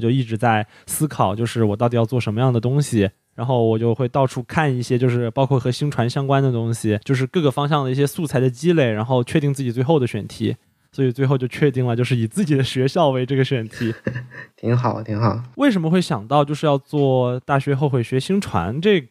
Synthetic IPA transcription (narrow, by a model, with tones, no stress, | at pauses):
t͡ɕjo˥˧ʊi˥˩ʈ͡ʂɻ̩˧˥t͡sa˥˩ɪ | sɹ̩˥kʰɑ˨˩ʊt͡ɕjo˥˧ʊʂɻ̩˥˩wɔ˨˩t̪ɑ˥˩ʊt̪̬i˩jɑ˥˧ʊt͡swɔ˥˩ʂə˧˥nmə˧jɑ˥˩ŋd̪ə˩t̪ʊ˥ŋɕi˨˩ | ɻa˧˥nxo˥˩ʊwɔ˨˩t͡ɕjo˥˧ʊxwe˥˧ɪt̪ɑ˥˧ʊʈ͡ʂʰu˥˧kʰa˥˧ni˥˩ɕjɛ˥t͡ɕjo˥˧ʊʂɻ̩˥˩pɑ˥ʊkʰwɔ˥˩xɤ˧˥ɕi˥ŋʈ͡ʂʰwa˧˥nɕjɑ˥ŋkwa˥nd̪ə˨t̪ʊ˥ŋɕi˨t͡ɕjo˥˧ʊʂ̬ɻ̩˥˧kɤ˥˩ɡə˩fɑ˥ŋɕ̬jɑ˥˩ŋd̪ə˩i˥˩ɕjɛ˥su˥˩t͡sʰa˧˥ɪd̪ə˧t͡ɕi˥le˥˩ɪɻa˧˥nxo˥˧ʊt͡ɕʰɥɛ˥˧t̪i˥˧ŋt͡sɹ̩˥˩t͡ɕi˨˩t͡swe˥˧ɪxo˥˩d̪ə˩ɕɥɛ˨˩nt̪ʰḭ˧˥ | swɔ˧˥i˨˩t͡swe˥˧ɪxo˥˧ʊt͡ɕjo˥˧ʊt͡ɕʰɥɛ˥˧t̪i˥˩ŋlə˩t͡ɕjo˥˧ʊʂɻ̩˥˩i˨˩t͡sɹ̩˥˩t͡ɕi˨˩d̪ə˦ɕɥɛ˧˥ɕjɑ˥˩ʊwe˧˥ɪʈ͡ʂɤ˥˩ɡə˩ɕɥɛ˨˩nt̪ʰi˧˥t̪ʰi˧˥ŋxɑ˨˩˦t̪ʰi˧˥ŋxɑ˨˩˦we˥˩ɪʂ̬ə˧˥mə˧xwe˥˩ɪɕjɑ˨˩ŋt̪ɑ˥˧ʊt͡ɕjo˥˧ʊʂɻ̩˥˧jɑ˥˧ʊt͡swɔ˥˩t̪a˥˩ɕɥɛ˧˥xo˥˩ʊxwe˨˩ɪɕɥɛ˧˥ɕi˥ŋʈ͡ʂʰwa̰˧˥nʈ͡ʂɤ˥˩